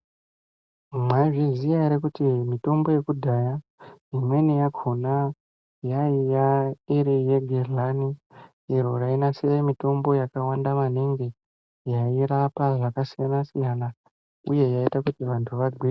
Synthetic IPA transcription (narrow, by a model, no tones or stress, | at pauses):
mwaʐizijaɾekutimito̞mbo̞je̞kudʱajaimwe̞nijaɡʱona | jaijaiɾije̞ɡʱerlani | iɾoɾainasemito̞mbo̞jakawandamaniŋɡe | jaiɾapaʐakasijanasijana | uje̞jaitakutiʋantʰuʋaɡʱwi